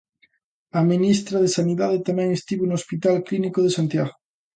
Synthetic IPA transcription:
aminist̪ɾaðesaniðaðet̪amɛ̃ŋest̪iβonoospit̪alklinikoðesant̪jaɣo

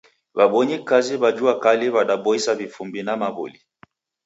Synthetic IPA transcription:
βaɓɔɲikaziβad͡ʒuakaliβaɗaɓɔisaβifumbinamaβṵli

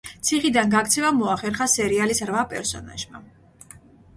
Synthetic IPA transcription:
t̪sʰiχid̪anɡakt̪sʰɛvamɔaχɛɾχasɛɾialisɾvapʼɛ̰ɾsɔ̰na̰ʒma̰

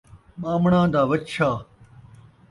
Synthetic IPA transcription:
maːmɳãːd̪aːwɐt͡ɕt͡ɕʰaː

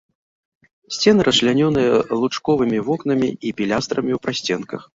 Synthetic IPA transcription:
sʲt͡sʲɛnɨɾɐʃlʲanʲɔnɨjɐlˠut͡ʂkɔvɨmʲivɔkn̪ɐmʲiipʲilʲast̪ɾɐmʲiuwpɾasʲt͡sʲɛnkɐx

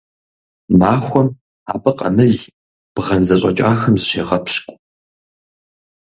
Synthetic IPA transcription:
maːxʷɔm | a̰ːbɐqɐ̰mɨɮ | b̥ʁɐnzɐɕʼɐ̰t͡ʃʼaːxɐmzɨʃeːʁɐpʰɕkʷʼ

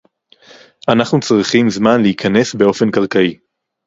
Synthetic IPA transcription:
anaχnut͡sʁiχimzmanleikʰane̞sbeo̞fe̞nkaʁkai

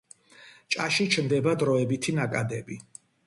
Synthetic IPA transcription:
t͡ʃʼaʃit͡ʃʰmd̪ɛbad̪ɾɔɛbit̪ʰinakʼad̪ɛbi

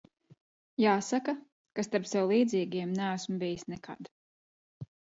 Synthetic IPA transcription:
jaːsaka | kast̪aɾpsɛwlˠiːd̪ziːɡiɛmnææsmbijisnɛkʰa̰d̪

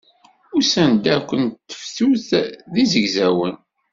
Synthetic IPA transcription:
ʊsænd̪ækʷːəntt̪ːə̥fθuθðizəɡzæwən

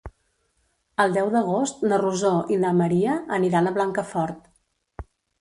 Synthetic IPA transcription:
əlˠd̪ɛwd̪əɣ̞ost̪nəruzoʔinəməɾiəʔəniɾanəβlaŋkəfɔɾt̪

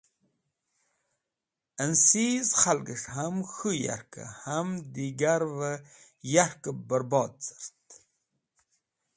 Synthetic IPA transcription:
ənsizχalɡəʂɦamxuja̰ɾkə̰hamd̪iɡaɾvə | jaɾkəbəɾbɑːd̪̚t͡sə̥ɾt̪

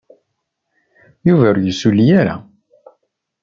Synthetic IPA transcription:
juvæjəsulijaɾa̰

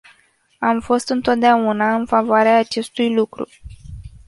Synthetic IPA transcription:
amfo̞st̪ɨnt̪o̞t̪̚d̪eaunaɨnfavoaɾeaːt͡ʃe̞st̪ujlukɾṵ

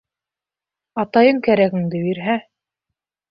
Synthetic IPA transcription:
ɑt̪ɑjɤŋkæɾæɡɘ̆ŋd̪ɘbiɾɦæ

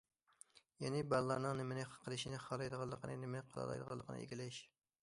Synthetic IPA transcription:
jɛnɪbælˠːɑɾnɨŋnɪmɪnɪχə̥qʰəlˠɨʃinɪχɑlˠɑjd̪əʁɑlˠːəqʰənɨnɪmɪnqʰɑlˠɑ̰lˠɑ̰jd̪əʁɑ̰lˠːəqʰənɨ̰ʔḛɡʲilɪʃ

